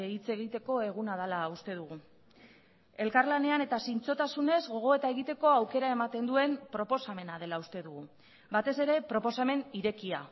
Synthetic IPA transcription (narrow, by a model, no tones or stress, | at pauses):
eit͡se̞ɣit̪e̞ko̞e̞ɣ̞unað̞alaust̪e̞ðuɣ̞u | e̞lkaɾlane̞ane̞t̪asint͡so̞t̪asune̞zɣo̞ɣ̞o̞e̞t̪aeɣ̞it̪e̞ko̞awke̞ɾae̞mat̪e̞nd̪ue̞mpɾo̞po̞same̞nað̞e̞laust̪e̞ðuɣu | bat̪e̞se̞ɾe̞pɾo̞po̞same̞niɾe̞kia